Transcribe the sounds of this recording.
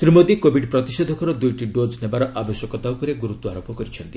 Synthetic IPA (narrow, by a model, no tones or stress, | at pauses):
t̪ɾimod̪ikobʱiɖpɾɔt̪ised̪ʱɔkɔɾɔd̪ujʈiɖod͡ʒnebaɾɔʔabɔsjɔkɔt̪aupɔɾeɡuɾut̪ːɔaɾopɔkɔɾit͡ʃʰɔnt̪i